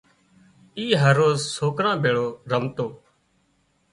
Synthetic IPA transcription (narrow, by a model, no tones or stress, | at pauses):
iːɦəɾːoːzsoːkɾãːbʱeːɭoːɾəmt̪oː